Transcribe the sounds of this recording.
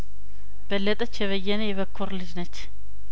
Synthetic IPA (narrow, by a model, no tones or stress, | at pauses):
b̥əlːət̪ʼət͡ʃːjɛβəjːɛnəjɛβəkʰːuɾlɨd͡ʒnət͡ʃː